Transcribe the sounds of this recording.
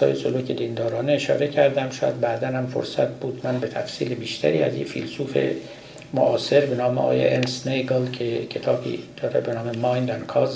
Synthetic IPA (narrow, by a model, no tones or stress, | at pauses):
ɒ̰ːjesoluːcʰed̪ind̪ɒːɾɒːneːʃɒ̰ːɾe̞cʰæɾd̪æmʃɒ̰ːjæ̰d̪̚bæːd̪ænhæmfo̰ɾsæt̪̚ʰbuːd̪mænbe̞t̪ʰæfsiːlebiːʃt̪ʰæ̰ɾiːæ̰zjḛfḭlsuːfe̞̰ | moʔɒːse̞ɾbe̞nɒːmeɒ̰ːjḛʔensnejɡɑlkʰecʰe̞t̪ʰɒːbḭːd̪̥ɒːɾebenɒːmemɒːjnd̪ænkʰɒz